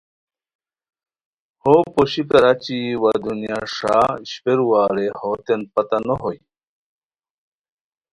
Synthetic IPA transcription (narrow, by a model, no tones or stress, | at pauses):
hopoɕikɐɾat͡ɕiwad̪unjaʂaɕpeɾuwaːɾehot̪enpɐt̪ɐnoɦoj